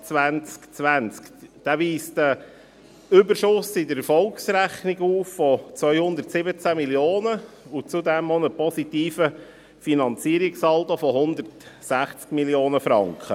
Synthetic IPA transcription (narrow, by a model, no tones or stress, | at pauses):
t͡sʋænt͡skt͡sʋænt͡skd̪̥æʋiːstə | ʏbəʃʊsɪdəɾɛfɔlksɾæχniɡuːffɔt͡sʋœʏhʊndəɾtsɪbət͡sæmiljoːnəʊt͡sud̪ɛmonəpɔsit̪iːfə | finɑnt͡siəɾiksɑlt̪ofɔɦʊnd̪əɾtsæχt͡skmiljoːnəfɾɑŋkχə